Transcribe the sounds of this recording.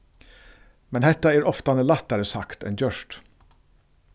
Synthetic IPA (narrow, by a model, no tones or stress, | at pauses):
mɛnhɛt̪ːɑæːɾɔft̪ɑnɛlɑt̪ːɑɾəsɑkt̪ɛ̰ndœʃʈ